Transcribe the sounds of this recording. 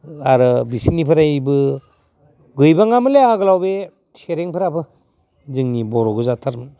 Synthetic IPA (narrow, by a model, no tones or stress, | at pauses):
aɾɯbisinipʰɯɾajbɯ | ɡɯjbaŋamɯleaɡɯlawbe | seɾeŋpʰɯɾapʰɯ | zɯŋnibɔɾɔɡɯzatʰaɾm